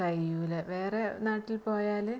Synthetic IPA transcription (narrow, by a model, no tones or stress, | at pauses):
ɐjːuleʋeːre̞naːʈːilpo̞ːjaːlɨ